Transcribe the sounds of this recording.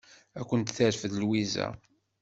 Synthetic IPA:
ækʷːənt̪θəɾfəðlwizæ̰

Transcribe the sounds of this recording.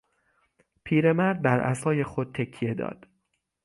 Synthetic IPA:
pʰiːɾe̞mæɾd̪̚bæɾʔæ̰sɒːje̞xod̪̚t̪ʰekʰːije̞d̪ɒ̰ːd̪̥

